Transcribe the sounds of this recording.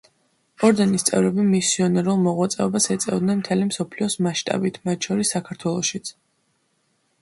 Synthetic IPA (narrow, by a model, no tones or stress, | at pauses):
ɔɾd̪ɛnist̪sʼɛ̰vɾɛbimisiɔnɛɾulˠmɔʁwat̪sʼɛɔbasɛt̪sʼɛvd̪nɛnmt̪ʰɛlimsɔpʰliɔsmaʃt̪ʼa̰bit̪ʰmat̪ʃʰɔɾisːakʰaɾt̪ʰwɛlˠɔʃit̪sʰ